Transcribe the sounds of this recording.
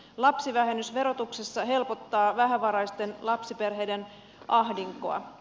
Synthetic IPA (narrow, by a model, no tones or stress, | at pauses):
lɑpsiʋæɦenysʋe̞ɾo̞t̪uksesːɑɦe̞lpo̞t̪ːɑːʋæɦæʋɑɾɑjst̪e̞nlɑpsipe̞rɦe̞jde̞n | ʔɑɦdiŋko̰ɑ̰